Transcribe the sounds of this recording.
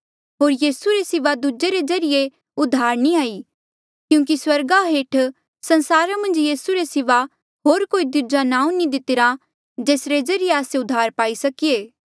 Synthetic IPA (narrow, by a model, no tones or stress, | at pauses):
ɦoːɾjiːsuɾesɪʋad̪ud͡ʒeɾed͡ʒɐɾɪje | ʊd̪ʱaːɾniaːi | kjũːk̬iswɐɾɡaɦeːʈʰ | sɐ̃nsaːɾamɐ̃nd͡ʒjiːsuɾesɪʋa | ɦoːɾkoːid̪ud͡ʒanãːũnid̪ɪt̪ɪɾa | d͡ʒeːsɾed͡ʒɐɾɪjeaːseʊd̪ʱːaːɾpaːisɐkieː